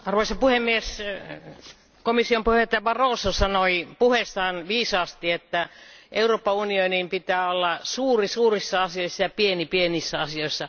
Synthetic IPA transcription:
ɑrʋoisɑpuhemːies | komisːiompuheet̪ːjɑʋɑroːsosɑnoipuhesːɑːnʋiːsɑːst̪iet̪ːæʔeuroːpːɑunionimpit̪æːolːɑsuːrisuːrisːɑɑsioisːɑjɑpienipienisːæɑsioisːɑ

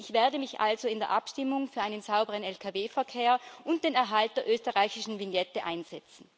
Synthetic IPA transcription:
ʔɪçv̥eːɐdəmɪçʔa̰lzoɪndeːɐʔa̰pʃtɪmʊŋfyːɐaɪnənz̥aʊbəʁənɛlkʰaveːfɛɐkʰeːɐʔʊnt̚d̥eːnɛɐɦalt̚d̥eːɐʔøːstəʁaɪçɪʃn̩vɪnjɛtəʔa̰ɪnz̥ɛt͡sn̩

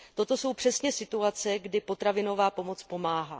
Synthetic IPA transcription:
t̪o̞t̪o̞so̞wpr̥ɛsɲɛsɪt̪uat͡sɛɡdɪpo̞t̪ɾavɪno̞vaːpo̞mo̞t͡spo̞maːɦa̰ː

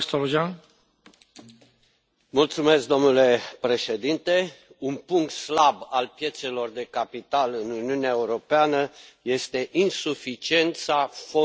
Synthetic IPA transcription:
st̪oloʒan | mult̪sume̞sk̚d̪o̞mnule̞pɾe̞ʃe̞d̪int̪e̞unpuŋk̚t̪slabalpje̞t̪se̞lo̞rd̪e̞kapit̪alɨnuniuneaeuɾo̞peanəje̞st̪e̞ʔinsufit͡ʃie̞nt̪safo

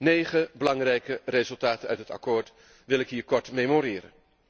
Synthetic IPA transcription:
nejχəbəlɑŋrɛjkərezɵlˠtaːtənœɥtɦətɑ̰koːɹt | ʋɪlˠɪkɦiːɹkɔɹtmejmoɾɪːɾə̰n

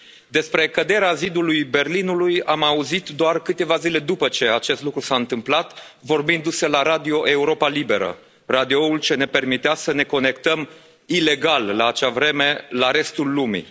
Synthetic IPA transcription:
d̪e̞spɾe̞kəd̪e̞ɾeazid̪ulujbe̞rlinulujamauzit̪d̪oarkɨt̪e̞vazile̞d̪upət͡ʃe̞at͡ʃe̞st̪lukɾusaɨnt̪ɨmplat̪ | vo̞rbind̪use̞laɾad̪io̞ʔe̞uɾo̞palibe̞ɾə̰ | rad̪io̞ult͡ʃe̞ne̞pe̞rmit̪easəne̞ko̞ne̞kt̪əm | ile̞ɡallaːt͡ʃavɾe̞me̞laɾe̞st̪ulːumḭ

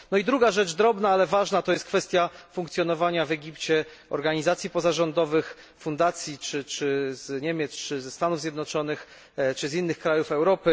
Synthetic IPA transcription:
nɔid̪ɾuɡaʐɛd͡ʐd̪ɾɔbnaalɛvaʐnat̪ɔjɛst̪kfɛst̪ʲjafuŋkt̪sʲjɔnɔvaɲavɛɡʲipt͡ɕɛ | ɔ̰ɾɡaɲizat̪sʲjipɔzaʐɔnd̪ɔvɘx | fund̪at̪sʲjit͡ʂɘt͡ʂɘzɲɛmʲjɛt̪st͡ʂɘzɛst̪anuvzʲjɛd̪nɔt͡ʂɔnɘx | t͡ʂɘzinːɘxkɾajufɛwɾɔpɘ

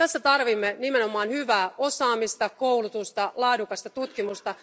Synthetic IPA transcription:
t̪æsːæt̪ɑrʋimːenimenomɑːnhyʋæːʔosɑːmist̪ɑkowlut̪ust̪ɑlɑːdukɑst̪ɑt̪ut̪kimust̪ɑ

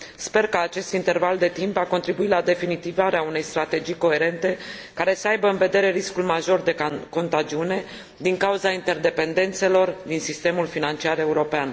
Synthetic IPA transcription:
spe̞rkəat͡ʃe̞st̪int̪e̞rvald̪e̞t̪impako̞nt̪ɾibuitlad̪e̞finit̪ivaɾeaune̞jst̪ɾat̪e̞d͡ʒijko̞e̞ɾe̞nt̪e̞kaɾe̞səajbəɨnve̞d̪e̞ɾe̞ɾiskulmaʒo̞rd̪e̞ko̞nt̪ad͡ʒiune̞ | d̪iŋkauzaint̪e̞rd̪e̞pe̞nd̪e̞nt̪se̞lo̞rd̪insist̪e̞mulfinant͡ʃiaɾe̞uɾo̞pean

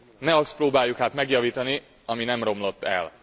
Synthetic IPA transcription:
nɛɒst̪proːbaːjːukhaːt̪mɛɡjɒviːt̪ɒni | ɒminɛmro̞mlo̞t̪ːɛ̰l

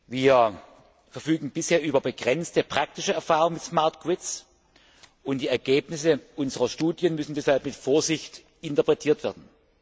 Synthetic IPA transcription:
viːɐ | fɛɐfyːɡŋ̩bɪsheːɐʔyːbɐbəɡʁɛnt͡stəpʁ̥ak̚tɪʃəɛɐfaːʁʊŋmɪtsmaɐtɡ̥wɪts | ʔʊntd̥iːɛɐɡeːpnɪsəʔʊnzəʁɐʃtuːdjənmʏsn̩dɛshalpmɪtfoːɐzɪçt | ɪntɐpʁ̥ɛtʰiːɐtv̥eːɐdn̩

